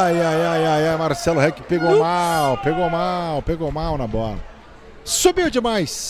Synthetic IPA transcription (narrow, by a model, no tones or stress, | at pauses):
ajajajajajmaɾsɛlʊɦɛkɪpeɡowamawpeɡomawpeɡomawnɐbɔlɐ | sobiwd͡ʒɪmajs